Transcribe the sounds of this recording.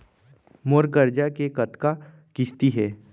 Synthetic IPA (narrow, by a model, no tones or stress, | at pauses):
moːɾkəɾd͡ʒakekɐt̪ka | kɪst̪iɦɛː